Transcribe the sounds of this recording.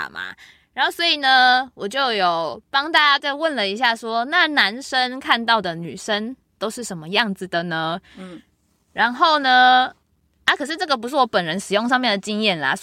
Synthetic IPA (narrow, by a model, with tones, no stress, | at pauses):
ma̰˨˩ | ɻa˧˦nho˥˩ʊswɔ˧˥i˨˩nə˩wɔ˨˩t͡ɕjo˥˩ʊjo˨˩ʊpɑ˥ŋt̪a˥˧˩t͡ɕa˥t͡ɕa˥˧ɪwə˥˩nlə˨˩i˧˦˥ɕ̬ja˥˩ʂwɔ˦na˥˨na˧˦nʂə˦˥nkʰa˥˧nt̪ɑ˥˩ʊd̪ə˩ny̰˨˩ʂə˦˥n | t̪o˥ʊʂɻ̩˥˩ʂə˧˥nmə˧jɑ˥˩ŋd͡z̩˨d̪ə˩nə˦ | ɻa˧˦nxo˥˩ʊnə˨ | na˥˩kʰɤ˨˩ʂɻ̩˥˧ʈ͡ʂɤ˥˩ɡə˩p̬u˧˥ʂɻ̩˥˩wɔ˧˦pə˨˩nɻə˧˦nʂɻ̩˨˩jo˥˧ŋʂ̬ɑ˥˧ŋmjɛ˥˨˩nd̪ə˩t͡ɕi˥˧ŋjɛ˥˩˨nla̰˨˩